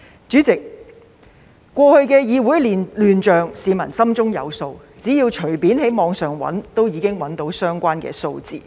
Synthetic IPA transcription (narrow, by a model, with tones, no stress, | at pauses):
t͡ʃyː˨˥t͡sɪ˨k̚ | ɔː˧hɵ˧ɥkɛː˧jiː˨˧wuː˨˥jli˨lyː˨˩nt͡ʃœː˨ŋsiː˨˧mɐ˨˩nsɐ˥mt͡sʊ˥ŋjɐ̰˨˧wso˧w | t͡siː˨˥jiː˧wt͡ʃʰɵ˨˩ɥpiː˨˥nɦe˨˥jmɔː˨˧ŋsœː˨˩ŋwɐ̰˨˥nt̪o˥wjiː˨˧kɪ˥ŋwɐ˨˥nt̪o˨˥wsœː˥ŋkʷaː˥nkɛ̰ː˧so˧wt͡sḭː˨˧